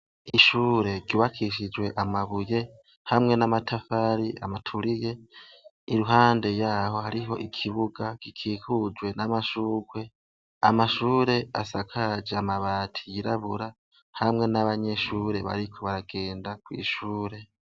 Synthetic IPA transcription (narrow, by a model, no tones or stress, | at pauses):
iʃuːɾe̞ɾɟuːβakʰiʃid͡ʒwe̞ʔamaβuje̞ | hamŋe̞namatʰafaɾia̰matʰuɾije̞ | iɾuɦaːnde̞jaːho̞haɾiɦo̞̰ʔikʰiβuɡakikʰiːkud͡ʒwe̞namaʃuːɡwe̞ | a̰maʃuːɾe̞a̰sakʰad͡ʒeamaβaːtʰi̥jiɾaβuɾa | hamŋe̞naβaɲe̞ʃuːɾe̞βa̰ɾikʰo̞βaɾaɡ̥e̞ːndakwḭːʃuːɾe̞